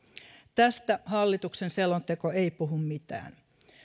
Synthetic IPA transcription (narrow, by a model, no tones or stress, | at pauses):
t̪æst̪æhɑlːit̪uksenselont̪ekoejpuɦummit̪æ̰ːn